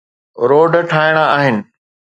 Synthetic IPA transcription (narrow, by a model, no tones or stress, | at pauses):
ɾoːɖʈʰaːɪɽ̃aaːɦɪnɪ̆